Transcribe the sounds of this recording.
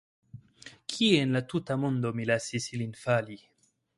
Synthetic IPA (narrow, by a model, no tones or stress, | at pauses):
kʰienlatutamond̪omilasisilinfali